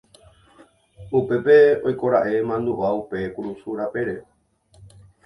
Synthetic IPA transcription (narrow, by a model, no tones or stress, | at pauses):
upe̞pe̞ojko̞ɾaʔe̞mãnd̪uʔaupe̞kuɾusuɾape̞ɾe